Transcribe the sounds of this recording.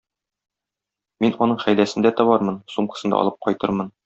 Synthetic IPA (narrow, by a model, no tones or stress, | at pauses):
minɒnɤɴχæjlæsɘ̆nd̪æt̪ɒbɑɾmɤnsumqɤ̥̆sɤ̆nd̪ɑ̰ɒ̰lˠɤp̚qʰɒjt̪ɤɾmɤn